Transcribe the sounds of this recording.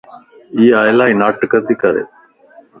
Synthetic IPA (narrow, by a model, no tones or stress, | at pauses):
iːaːjlaːinaːʈkət̪iːkəɾḛ